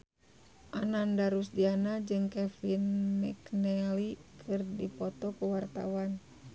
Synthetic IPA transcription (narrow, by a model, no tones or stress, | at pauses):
ʔanandaɾusdianad͡ʒɨŋkɛfinmɛknɛlikʰɨrdipɔt̪ɔkuwart̪a̰wan